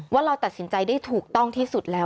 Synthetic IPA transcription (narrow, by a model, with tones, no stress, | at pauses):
waː˥˩ɾa˧wt̪a˨˩t̪̚si˩˦nt͡ɕa˧jdaː˥˩jt̪ʰuː˨˩k̚t̪ɔ˥˩ŋt̪ʰiː˥˩su˨˩t̪̚lɛː˦˥